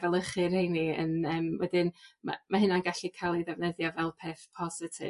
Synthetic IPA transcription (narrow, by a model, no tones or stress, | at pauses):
vɛlˠəχɨɾhejniə̰nəːmwɛ̰dɪnma̰mahɪnanɡaɬikʰajlˠiðɛvnəðjavɛlˠpʰeːθpʰɔzɪtʰɪ̰